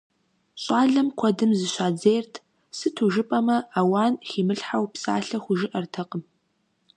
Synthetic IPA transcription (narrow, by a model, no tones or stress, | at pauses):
ɕʼaːɮɐmkʷʰɐdɨmzɨɕaːd͡zejrtʰ | sɨtʰuʒɨpʼɐmɐaːwaːnxiːmɨɬħawpsa̰ːɬɐxʷʊʒɪʔɐrtʰɐqʼəm